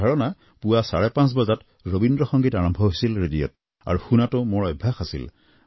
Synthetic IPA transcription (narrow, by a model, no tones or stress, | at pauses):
ɔɹɔna | puwasaɹɛpãns̬bɔzat | ɹobindɹɔxɔŋɡitaɹɔmbʱɔɦojsilɹedijɔ̰t | a̰ɹuxunatʊmʊɹɔjbʱjaxasḭl